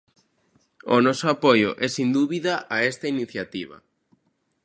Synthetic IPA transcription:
ʊ̰nɔsʊapojʊ̰ʔɛsind̪uβiðaʔaɛst̪ɐiniθjat̪iβɐ̰

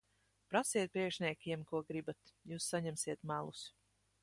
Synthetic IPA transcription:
pɾasiɛt̪̚pɾiɛkʃnʲiɛkʲiɛmkuɔɡɾibat̪juːsːaɲɛmsiɛt̪mælˠus

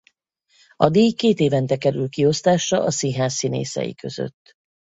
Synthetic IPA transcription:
ɒd̪eːjkeːt̪eːvɛnt̪ɛkɛɾylkio̞st̪aːʃrɒʔɒsiɦaːsːinḛːsɛ̰jḭkøzø̰t̪ː

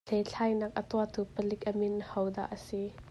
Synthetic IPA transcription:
ejɬʰajnak̚ʔət̪uat̪upəlɪk̚ʔəmɪnhɐwd̪a̰ʔəsi

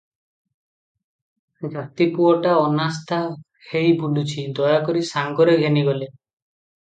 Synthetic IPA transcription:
d͡ʒat̪ipuɔʈaɔnast̪ʰa | hejbunɖut͡ʃʰid̪ɔjakɔɾisaŋɡɔɾeɡʱeniɡɔle

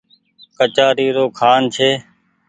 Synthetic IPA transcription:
kət͡ʃaːɾiːɾoːkʰaːnt͡ʃʰeː

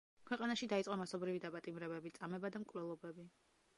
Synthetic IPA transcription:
kʰwɛqʼanaʃid̪ait̪sqʼɔmasɔbɾivid̪apʼat̪ʼimɾɛbɛbit̪sʼamɛbad̪amkʼvlɛlˠɔbɛbi

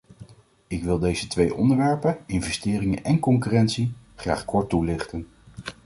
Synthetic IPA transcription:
ɪkʋɪlˠdejzətʋejʔɔ̰ndəɹʋɛɹpənɪnvɛstɪːrɪŋənʔɛnkɔŋkyrɛntsi | χra̰ːχkɔɹtulɪχtən

